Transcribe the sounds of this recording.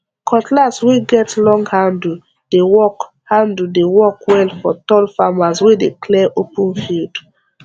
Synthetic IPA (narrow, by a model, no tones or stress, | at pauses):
kʰɔtlazweɡɛtlɔ̃ŋɡhãndl̩ | d̥ewɔk | hãndl̩dewɔkwɛlfɔtɔlfamaswedekʰlɛʔopə̃nfild